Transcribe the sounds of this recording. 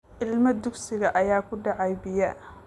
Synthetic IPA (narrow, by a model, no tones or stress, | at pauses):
ʔɪlmɐd̪ʊɡsɪɣɐʔɐjaːkʰʊɖɑʕɑjbɪjɐʔ